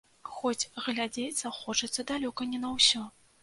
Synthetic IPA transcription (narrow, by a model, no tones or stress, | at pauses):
xɔt͡sʲɣlʲad͡zʲejt̪sɐxɔt͡ʂɐt̪sːɐd̪alʲɔkɐnʲɛnɐwsʲɔ